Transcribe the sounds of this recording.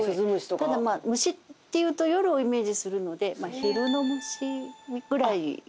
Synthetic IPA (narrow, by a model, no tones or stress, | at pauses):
sɯzɨmɯɕi̥t̪ot̪ad̪amamɯ̟ɕit̪ːe̞jɯ̟ːt̪o̞jo̞ɾɯ̟o̞ime̞ːʑisɨɾɯ̟no̞d̪e̞maçiɾɯ̟no̞mɯ̟ɕiɡɯ̟ɾaḭ